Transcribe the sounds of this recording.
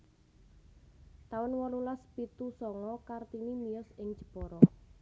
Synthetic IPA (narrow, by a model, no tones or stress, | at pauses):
t̪awənwɔlulaspit̪usɔŋɔkart̪inimijɔsɪŋd̥ʒ̥ə̤̥pɔɾɔ